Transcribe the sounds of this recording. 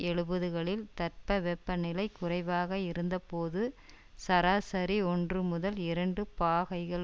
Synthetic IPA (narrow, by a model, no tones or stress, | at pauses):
ɛɭɯbɐðɯɣɐɭɪlt̪ɐrpɐʋɛpːɐnɪlɐɪkːʊrɐɪʋaːɣɐɪɾɯnd̪ɐpoːðɯ | sɐɾaːsɐɾiɔndrɯmʊðɐlɪɾɐɳɖɯpaːɣɐɪɣɐɭ